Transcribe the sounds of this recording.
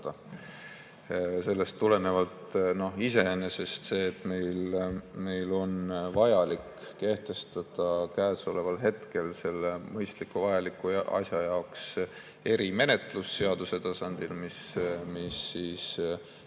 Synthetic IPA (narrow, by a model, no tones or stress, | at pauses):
t̪ɑ | se̞lːest̪ːule̞nevɑlt̪no̞hise̞enːese̞st̪se̞ːt̪ːˑme̞jlme̞jlo̞nvɑjɑlikː | e̞ht̪e̞st̪ɑd̪̥ɑkæːso̞le̞vɑlɦe̞t̪ke̞lse̞lːemɤjst̪likːˑuvɑjɑlikːˑuʔɑ̰sʲjɑjɑoks | e̞ɾime̞ne̞t̪ˑlusːe̞ɑd̪̥use̞t̪ɑsɑnd̪̥ilmismisːiːs